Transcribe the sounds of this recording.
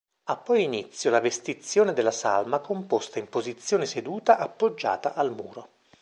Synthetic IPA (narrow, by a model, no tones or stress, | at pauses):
apːɔjinit̪sːjolavest̪it̪sːjoːned̪elːasa̰lmakompost̪aimpozit̪sːjoːnesed̪uːt̪aʔapːod͡ʒːa̰ːt̪aʔalmṵːɾo